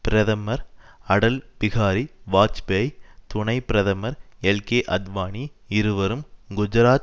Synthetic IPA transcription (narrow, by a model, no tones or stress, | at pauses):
pɪɾɐðɐmɐɾɐɽɐlpɪɣaːɾiʋaːt͡ʃbejt̪ʊɳɐɪpɪɾɐðɐmɐɾɛlkeːʔɐd̪ʋaːniɪɾɯʋɐɾɯmɡʊd͡ʒɐɾaːt̪̚